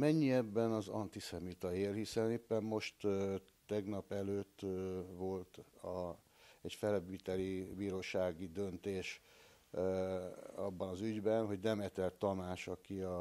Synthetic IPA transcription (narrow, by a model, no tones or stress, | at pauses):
mɛɲːiɛbːɛnɒzɒ̰nt̪isɛmit̪ɒeːlhisɛneːpːɛmːo̞ʃt̪ː | ɛɡnɒpɛløːt̪ːʋo̞lt̪ɒ | ɛcfɛlɛbit̪ɛlibiːɾoːʃaːɡid̪ø̞nt̪eːʃ | ɒbːɒnɒzyɟbɛnɦo̞ɟnɛmɛt̪ɛlt̪ːɒmaːʃɒkiɒ